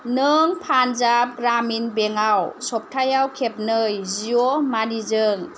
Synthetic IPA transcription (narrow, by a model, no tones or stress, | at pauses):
nɯŋpʰanzap̚ɡɾaminbeŋawsɔp̚tʰajawkʰep̚nɯjziɔmanizɯŋ